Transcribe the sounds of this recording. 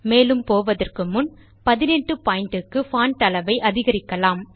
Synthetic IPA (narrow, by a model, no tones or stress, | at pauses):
meːlɯmpoːʋɐðɐrkɯmʊn | pɐðɪnɛʈrɯpaːjɪɳɖɯkːɯfaːnt̪ɐlɐʋɐɪʔɐðɪɣɐɾɪkːɐlaːm